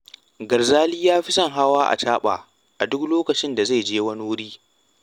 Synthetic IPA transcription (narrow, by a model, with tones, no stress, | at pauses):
ɡɐ˨rzaː˦liː˦jaː˦ɸi˦sɐ˦˨ŋɦa˦waː˦ʔa̰˨t͡ʃaː˦ɓa̰ː˨ | ʔa˨dʊ˦kloː˦kɐ˨t͡ʃɪ˦nda˨za˦˨d͡ʒeː˦wɐ˦nu˦wʊ˦ɽiː˦